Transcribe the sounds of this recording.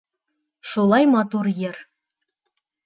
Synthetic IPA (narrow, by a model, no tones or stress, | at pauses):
ʃulˠɑjmɑt̪uɾjɘɾ